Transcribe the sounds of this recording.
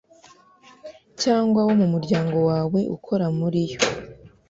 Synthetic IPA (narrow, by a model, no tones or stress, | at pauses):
caːŋɡwawo̞mumuɾɟaːŋɡo̞waːwe̞ʔṵkʰo̞ɾamuɾijo̞